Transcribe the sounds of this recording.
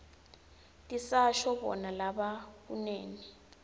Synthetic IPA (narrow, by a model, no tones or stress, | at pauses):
tʼisaʃɔbɔ̰nalaɓakṵneːni